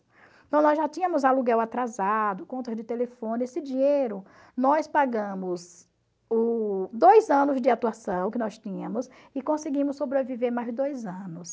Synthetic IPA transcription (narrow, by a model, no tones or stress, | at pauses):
t̪ɐ̃w̃nɔzʒat̪ĩɲɐ̃mʊzaluɡɛwat̪ɾazad̪ʊkõnt̪ɐd͡ʒɪt̪elefõnesɪd͡ʒĩɲejɾʊ | nɔjspaɡɐ̃mʊz | ʊd̪ojzɐ̃nʊzd͡ʒɪat̪uasɐ̃w̃kɪnɔst̪ĩɲɐ̃mʊs | ɪkõsɪɡĩmʊssːobɾeviveɾmajzd͡ʒɪd̪ojzɐ̃nʊs